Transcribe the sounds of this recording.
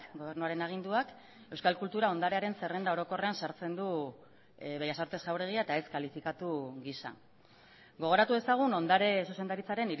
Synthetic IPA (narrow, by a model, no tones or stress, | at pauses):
ɡo̞β̞ernuaɾe̞naɣ̞ind̪uak | e̞wskalkult̪uɾao̞nd̪aɾe̞aɾe̞nse̞re̞nd̪ao̞ɾo̞ko̞re̞ansaɾt͡se̞nd̪u | βe̞jasoɾt̪e̞sʝawrɾe̞ɣiaet̪ae̞skalifikat̪uɣisa̰ | ɡo̞ɣ̞o̞ɾat̪uðe̞saɣ̞uno̞nd̪aɾe̞suse̞nd̪aɾit͡saɾe̞niɾ